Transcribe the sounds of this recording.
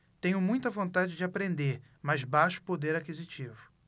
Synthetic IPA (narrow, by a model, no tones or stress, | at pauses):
t̪ẽɲʊmũj̃t̪ɐvõnt̪ad͡ʒɪd͡ʒɪapɾẽnd̪eɾ | mɐzbaʃʊ̥pod̪eɾakizit͡ʃivʊ